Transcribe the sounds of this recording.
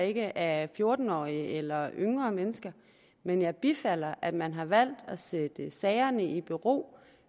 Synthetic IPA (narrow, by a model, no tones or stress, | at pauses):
e̝ɡ̥əʔæfjo̝ːɐd̥n̩ɒ̰ːiəelɐʔøŋʁɐːmenəsɡ̥ɐ | menjɑ̈ɪb̥ifæl̰ɐʔæd̥mænɦɑ̈ʋæl̰d̥ɒsed̥əsɛɪɐnəʔib̥yʁo̝̰ː